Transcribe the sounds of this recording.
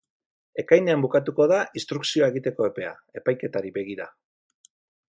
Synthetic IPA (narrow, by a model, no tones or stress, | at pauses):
e̞kajne̞ambukat̪uko̞ðainst̪ɾuksio̞aeɣit̪e̞ko̞e̞pe̞a̰ | e̞pajke̞t̪aɾibe̞ɣ̞iɾa